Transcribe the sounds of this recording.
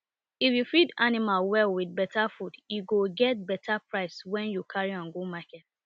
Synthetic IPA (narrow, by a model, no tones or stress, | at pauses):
ifjufidanimalwɛlwid̚bɛtafudjuɡoɡɛt̚bɛtʰapɹaɪswɛ̃njukʰaɹiãnɡomakɛt